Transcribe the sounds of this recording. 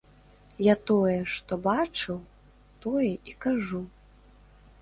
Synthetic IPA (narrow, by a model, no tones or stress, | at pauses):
jat̪ɔjɛʂt̪ɔbat͡ʂɨw | t̪ɔjɛʔikaʐu